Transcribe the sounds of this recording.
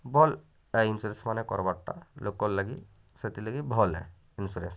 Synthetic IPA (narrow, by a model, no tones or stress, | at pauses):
bɔl | ainsuɾensmanɛkɔ̰ɾbaʈːa̰lokɔlːaɡi | set̪ilaɡibʱɔlɛ̰ | insuɾens